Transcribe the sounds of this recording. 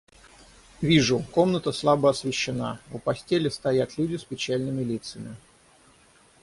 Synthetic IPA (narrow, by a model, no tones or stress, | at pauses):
vʲiʐʊko̞mnət̪əslˠabəɐsvʲɪɕːɪna̰vʊpɐsʲtʲelʲɪst̪ɐjat̪lʲudʲɪspʲɪt͡ɕælʲnɨmʲɪlʲit̪səmʲɪ